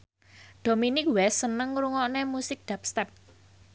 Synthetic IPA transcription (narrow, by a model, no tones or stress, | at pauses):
ɖ̪̥o̤minɪk̚wɛsənəŋɾuŋɔʔnemusɪk̚d̪̥ap̚st̪ɛp̚